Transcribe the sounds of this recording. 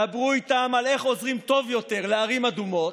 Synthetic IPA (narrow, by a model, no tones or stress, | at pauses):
abʁuit̪amale̞χo̞zʁimt̪o̞vjo̞t̪e̞ʁleaʁimad̪umo̞